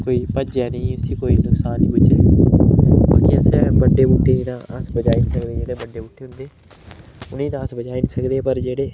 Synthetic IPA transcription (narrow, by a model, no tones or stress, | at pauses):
koːiːpəd͡ʒɛːnĩːʊsĩːkoːiːnʊksaːnːĩːbʊt͡ʃeː | ba̰ːkiːəsɛːbəɖːeːbuːʈʰːeːnĩːt̪ãːəsbəd͡ʒaːiːniːsəkd̪eːd͡ʒeːɽeːbəɖːeːbuːʈʰːeːɦʊ̃nd̪eː | ʊnĩːt̪ãːəsbəd͡ʒaːiːnĩːsəkd̪eːpəɾd͡ʒeːɽeː